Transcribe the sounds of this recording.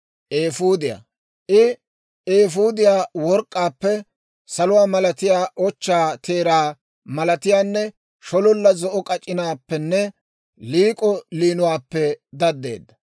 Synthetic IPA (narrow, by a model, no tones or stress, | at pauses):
ʔeːfuːd̪ɪja̰ː | ʔɪ | eːfuːd̪ɪjaːwɔɾkʼːaːpːɛ | sɐlʊwaːmɐlɐt̪ɪjaːʔɔt͡ʃːaːt̪ʰe̞ːɾaː | mɐlɐt̪ɪjaːnːɛ | ʃɔlɔlːɐzɔʔɔkʼɐt͡ʃʼːɪnaːpːɛnːɛ | liːkʼɔliːnʊwaːpːɛd̪ɐd̪ːe̞̰ːd̪ːɐ